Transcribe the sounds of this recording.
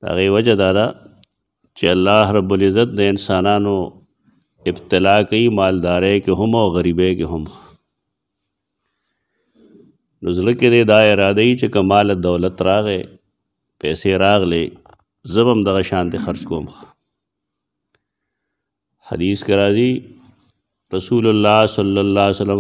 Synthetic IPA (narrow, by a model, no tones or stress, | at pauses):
t̪a̰ːɣeːwɐd͡ʒad̪aːd̪aː | t͡ʃeɐlːaːɦɾɐbːulɪzːɐt̪̚d̪eɪnsaːnaːnoː | ɪbt̪ɪlaːkɐiːmaːld̪aːɾeːkeɦʊmoːɣɐɾiːbeːkeɦʊmx | nuzlɐked̪eːd̪aːɪɾaːd̪ɐiːt͡ɕekɐmaːlɐd̪ɐːlɐt̪ɾaːɣeː | pɛːseɾaːɣleː | zɐbɐmd̪ɐɣɐʃaːnt̪exɐɾt͡ʃkoːmxḁ | hɐ̰d̪iːskeɾaːziː | ɾɐsuːlɐlːaːsɐlːɐlːaːsɐlɐ